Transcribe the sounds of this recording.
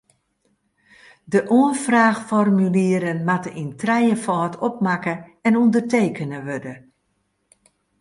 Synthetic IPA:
dəʔoənfraːxfɔrmyliəɾənmatəintrɛjəfɔːtʰɔp̚makəɛnundərteːkənəʋødə

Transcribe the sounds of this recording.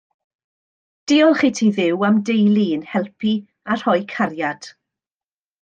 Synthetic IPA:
d̥ɪɔlˠχitʰiðɪwamdejlˠiənhɛlˠpʰi | ar̥hɔjkʰarjad̥

